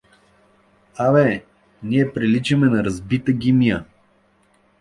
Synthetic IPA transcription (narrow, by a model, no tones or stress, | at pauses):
avɛ | niɛpɾilit͡ʃɛmɛnɐɾɐzbit̪əɡʲimijə